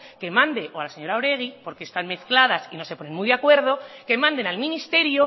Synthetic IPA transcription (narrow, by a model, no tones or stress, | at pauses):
ke̞mãnd̪e̞ʔoalase̞ɲo̞ɾaoɾe̞ɣ̞ipo̞ɾkest̪anme̞θklaðasino̞se̞po̞ne̞nmujðakwe̞ɾð̞o̞ke̞mãnd̪e̞nalmĩnist̪e̞ɾjo